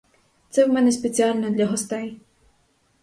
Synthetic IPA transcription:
t̪sɛwmɛnɛspʲet͡sʲialʲnɛd̪lʲɐɦɔst̪ɛj

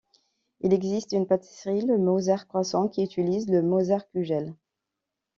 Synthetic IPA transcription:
ilɛɡzist̪ynpat̪ʰi̥sʁiləmozaʁkχwasɑ̃kʲiyt̪ilizləmozaʁkʲyʒɛl

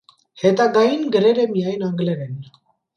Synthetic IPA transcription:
hɛt̪ɑɡɑjinɡəɾɛɾəmijɑjnɑŋɡlɛɾɛn

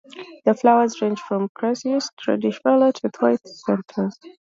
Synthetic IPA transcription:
ðəflaʊə˞zɹẽnd͡ʒ̥fɹɔ̃mkʰɹ̥ɛsiəsθɹṵdɪʃwɛlətʰɨtʰwaɪθsɛ̃ntʰə˞z̥

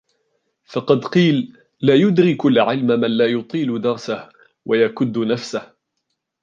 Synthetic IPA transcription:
fɑqɑd̪qiːlː | aːjʊd̪ɾɪkʊlʕɪlmamanlaːjʊt̪ˤiːld̪ɑɾˤsah | wajakʊd̪ːnafsah

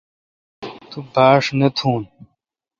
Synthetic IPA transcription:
t̪ubaːʂnɐt̪ʰuːn

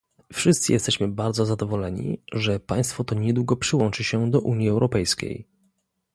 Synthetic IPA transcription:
fʂɘst̪sɘjɛst̪ɛɕmɘbaɾd̪zɔzad̪ɔvɔlɛɲḭʐɛpaj̃st̪fɔt̪ɔɲɛd̪wuɡɔpʂɘwɔnt͡ʂɘɕɛd̪ɔʔuɲjiɛwɾɔpɛjskʲḛj

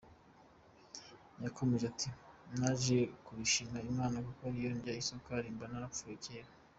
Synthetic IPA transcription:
jako̞me̞ʒatʰimnaʒe̞kuβiʃimaimaːnakokoaɾijoɲɟaisokaɾimbanaɾap̪fujeceːɾa

